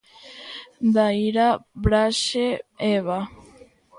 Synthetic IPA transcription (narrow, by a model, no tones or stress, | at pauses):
d̪aiɾabɾaʃeeβa